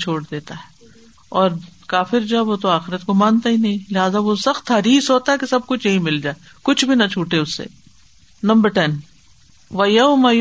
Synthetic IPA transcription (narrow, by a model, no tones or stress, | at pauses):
t͡ʃʰoːɽd̪eːt̪aɦɛː | ɔːɾkaːfɪɾd͡ʒoɛʋot̪oaːxɪɾət̪komãːnt̪aɦinɐɦĩlɪɦaːzaʋosɐxt̪ɦɐɾiːsɦoːt̪aɦɛkesɐb̚kʊt͡ʃʰnɐɦĩmɪld͡ʒaːe | kʊt͡ʃʰbʱinɐt͡ʃʰuːʈeʊsːḛː | nɐ̃mbəɾʈɛn | ʋɐjɐʊmɐj